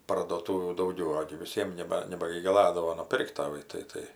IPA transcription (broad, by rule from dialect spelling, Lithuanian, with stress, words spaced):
pɐrduɔˈtuːʋʲuː dɐʊˈɡʲɛʊ ˈoːɡʲɪ ʋʲɪˈsʲiɛm ˈnʲæːbɐ nʲɛbɐɡʲɪɡɐˈlˠɑːdɐʋoː nʊˈpʲɪrkt tɐˈʋɐɪ tɐɪ ˈtɐɪ